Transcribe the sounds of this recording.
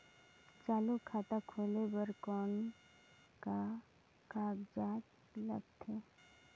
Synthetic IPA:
t͡ʃaːlokʰaːt̪akʰoːlebəɾkɔːn | ka | kaːɡd͡ʒaːt͡ʃ | lə̰ɡ̚t̪ʰeː

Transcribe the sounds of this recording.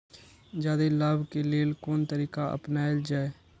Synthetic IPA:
d͡ʒaːd̪eːləbkeːleːlkoːnt̪əɾiːkaːə̰pnaːeld͡ʒaːe

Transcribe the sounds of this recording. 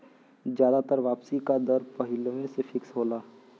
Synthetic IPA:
d͡ʒjaːd̪at̪əɾʋaːpsikad̪əɾpəɦɪlmẽsefʰɪksɦoːlaː

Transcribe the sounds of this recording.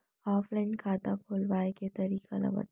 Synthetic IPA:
aːflaɪnkʰaːt̪akʰoːlʋaːeket̪ɐɾiːka̰lɐ̰bə̰t̪

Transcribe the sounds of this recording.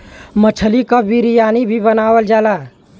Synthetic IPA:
mət͡ʃʰəlikabiɾijaːnibʱibənaːwəld͡ʒaːlaː

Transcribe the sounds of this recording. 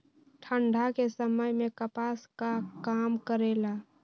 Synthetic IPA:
ʈʰə̃ɳɖʱakesəməjmẽkəpaːskakaːmkəɾela

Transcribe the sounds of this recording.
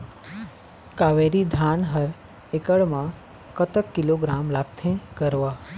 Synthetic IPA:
kaʋeɾid̪ʱanɦəɾ | ekəɭmã | kət̪əkːiloɡɾamlakt̪ʰẽkəɾʋa

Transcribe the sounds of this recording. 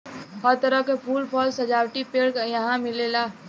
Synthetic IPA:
həɾt̪əɾəkepʰuːlpʰɔlsəd͡ʒaːwʈipeːɽkjɐɦãmɪlelaː

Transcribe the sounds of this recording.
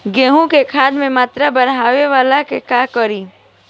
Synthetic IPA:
ɡeːɦũkekʰaːd̪mẽmaːt̪ɾabəɾɦaːweʋaːlakekaːkəɾiː

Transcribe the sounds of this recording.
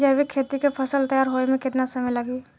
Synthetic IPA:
d͡ʒəbikʰeːt̪ikepʰɐsəlt̪əjaːɾɦoemẽkɪt̪nasɐməjlɐɡiː

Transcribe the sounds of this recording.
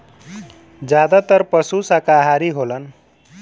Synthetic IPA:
d͡zjad̪at̪ʌɾpʌsusakaɦaɾiɦolʌn

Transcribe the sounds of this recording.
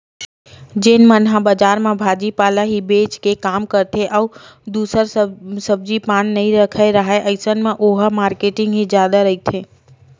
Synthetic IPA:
d͡ʒɪnmənɦãbəd͡ʒaːɾmãbʱaːd͡ʒipaːlaɦibeːt͡ʃkekaːmkɐɾt̪ʰeʔɔud̪uːsəɾsɐb̚d͡ʒipaːñnɐɦĩɾɐkʰeɾɐɦaeʔɐɪsənmãʔoːɦəmaːɾkeːʈɪ̃ŋɡɦizjaːd̪aɾɐɦit̪ʰẽː

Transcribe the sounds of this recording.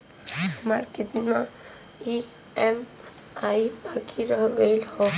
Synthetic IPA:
həmaɾkɪt̪na | i | em | aibakʰiɾəɦɡəɪlhɔ

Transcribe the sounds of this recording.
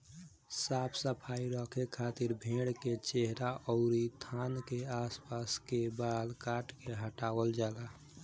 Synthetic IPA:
sapʰsəpʰaiɾɔkʰekʰat̪iɾbʱeɽket͡ʃeɦɾaʔɔʊɾit̪ʰankeaspaskebalkaʈkeɦəʈaʋəld͡ʒala

